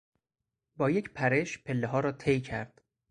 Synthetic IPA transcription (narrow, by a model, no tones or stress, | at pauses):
bɒːje̞cʰpʰæɾe̞ʃpʰe̞lːeɦɒːɾɒːt̪ʰejcʰæɾd̪̥